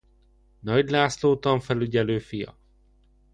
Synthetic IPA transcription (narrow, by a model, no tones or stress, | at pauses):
nɒɟlaːsloːt̪ɒɱfɛlyɟɛløːfijɒ̰